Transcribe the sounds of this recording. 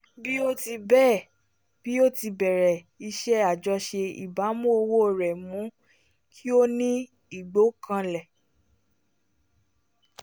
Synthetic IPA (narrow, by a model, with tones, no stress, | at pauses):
bi˦o˦ti˧bɛː˦˨ | b̥i˦o˦ti˧bɛ˨ɾɛ˨ | i˧ʃɛ˦a˨d͡ʒɔ˧ʃe˧ḭ˨ba˨˦mũ˦o˧wo˦˨ɾɛ˨mũ˨˦ | kʰi˦o˦nĩ˦ | i˦˨ɡ͡bo˨˦kã˧lɛ˨